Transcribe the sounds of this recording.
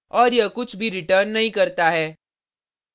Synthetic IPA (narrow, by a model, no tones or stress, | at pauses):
ɔːɾjɐkʊt͡ʃʰbʱiɾɪʈəːɾnːɐɦĩkɐɾt̪aɦɛː